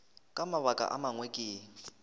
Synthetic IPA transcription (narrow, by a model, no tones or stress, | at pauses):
kʼamaβakʼa̰ʔa̰maŋwekʼɪː